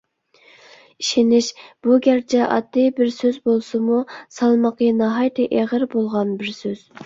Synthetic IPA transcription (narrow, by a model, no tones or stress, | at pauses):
iʃenɪʃb̥uɡʲæɾt͡ʃʰɛʔɑ̰d̪ːɪbɪɾsøzbolˠsɨmusɑlˠməqənɑɦɑjt̪ʰɨʔeʁəɾbolˠʁɑnbɪɾsøz̥